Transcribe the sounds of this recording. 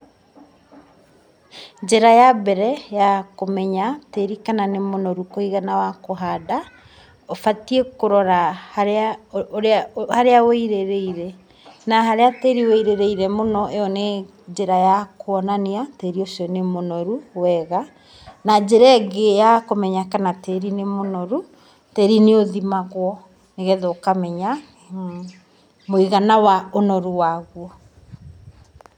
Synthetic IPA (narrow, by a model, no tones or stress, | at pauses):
d͡ʒeɾajabɛɾɛjakomɛɲateɾikananemonɔɾukoiɣanawakoɦada | ofatiekoɾɔɾahaɾeaɾahaɾeaweiɾeɾeiɾɛ | naɦaɾeateɾiweiɾeɾeiɾɛmonɔʔeɔne | d͡ʑeɾajakoɔnaneateɾiosɔnemonɔɾuwɛɣa | nad͡ʑeɾaɡejakomɛɲakanateɾinemonɔɾu | tɛɾineoðimaɣwɔ | neɣɛðoːkamɛɲa | moiɣanawaonɔɾuwaɣwɔ